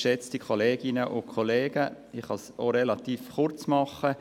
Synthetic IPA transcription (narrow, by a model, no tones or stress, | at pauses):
ʃɛt͡stikʰoleːɡɪnəʔʊkʰɔleːɡ̥ə | ɪχhɑsoɾelɑt̪iːfχʊrt͡smɑχə